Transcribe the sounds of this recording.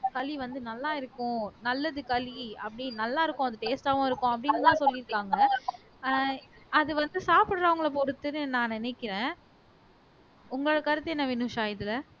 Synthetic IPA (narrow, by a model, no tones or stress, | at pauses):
kɐliʋɐnd̪ɯnɐlːaːɪɾɯkːʊ̃nɐlːɐðɯkɐliɐ̰pːɐɽinɐlːaːɪɾɯkːʊ̃ɐðɯʈeːsʈaːʋõːɪɾɯkːʊ̃ɐpːɐɽɪnːɯt̪ãːsɔlːɪɾɯkːaːŋɡɐ | ɐðɯʋɐnd̪ɯsaːpɪɽɾɐʋɐŋɡɐɭɐpɔɾɯt̪ːɯnɯnãːnɪnɛkːɪɾẽː | ʊŋɡɐɭoɽɐkɐɾɯt̪ːɯɛnːɐʋɪnɯʂaːjɪðɯlɐ